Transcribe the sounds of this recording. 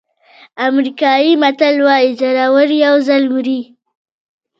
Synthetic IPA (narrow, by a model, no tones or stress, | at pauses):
amɾikɑjimat̪alwɑjid͡ʒaɾawəɾjawzalwuɾi